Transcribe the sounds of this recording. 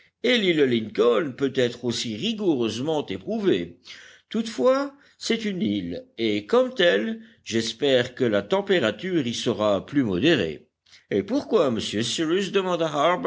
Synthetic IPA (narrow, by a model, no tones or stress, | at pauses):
eliləliŋkɔnpøt̪ɛt̪χosiʁiɡuʁøzmɑ̃t̪epχuvet̪ut̪fwa | sɛt̪ynilekɔmt̪ɛl | ʒɛspɛːʁkəlat̪ɑ̃peʁat̪yːʁisəʁaplymɔd̪eʁḛ | epuʁkwaməsjøsiʁysd̪əmɑ̃d̪aɦaʁb